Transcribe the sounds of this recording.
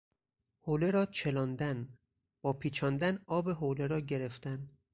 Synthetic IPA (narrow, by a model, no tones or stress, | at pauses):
hoːle̞ɾɒːt͡ʃʰe̞lɒːnd̪æn | b̥ɒːpʰiːt͡ʃʰɒːnd̪ænɒːbe̞ɦoːleɾɒːɟe̞ɾe̞ft̪æn